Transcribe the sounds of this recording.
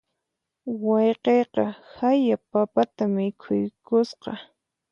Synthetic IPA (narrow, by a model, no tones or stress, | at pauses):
wɑjqejqɑhajapapat̪amɪkʰʊjkʊsqɑ